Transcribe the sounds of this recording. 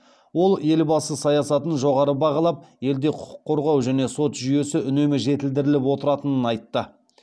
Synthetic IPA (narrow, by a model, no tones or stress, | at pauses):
wo̞lˠe̞lbɑsəsɑjɑsɑt̪ənʒo̞ʁɑɾəbɑʁɑlˠɑp̚je̞ld̪e̞qʰʊ̥ʊ̥qʰːo̞ɾʁɑwʒæne̞so̞t̪ʒʏje̞sɪʏne̞mɪʒe̞t̪ɪld̪ɪɾɪlɪpwo̞t̪əɾɑt̪ənənɑjt̪ːə